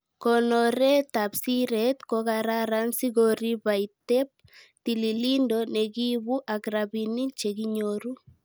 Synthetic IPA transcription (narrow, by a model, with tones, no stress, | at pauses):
kɔnɔɾe˦ta˨psi˦ɾet̪kokaɾaɾa˦nsi˦ɣoɾi˦βa˨ite˦p̚ | ti˨li˨li˦ndɔne˨ki˦βu˦ʔakɾaβini˦t͡ʃe˨kiɲoɾu˦